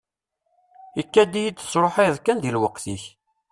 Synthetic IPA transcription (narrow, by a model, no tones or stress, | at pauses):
ikːæd̪ijid̪θə̥sˤɾˤoħajðkːænd̪ilwəqθiç